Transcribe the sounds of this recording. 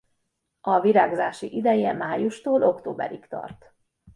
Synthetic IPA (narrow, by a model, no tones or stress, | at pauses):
ɒviɾaːɡozaːʃiʔid̪ɛjɛmaːjuʃt̪oːlʔo̞kt̪oːbɛ̰ɾikt̪ɒ̰rt̪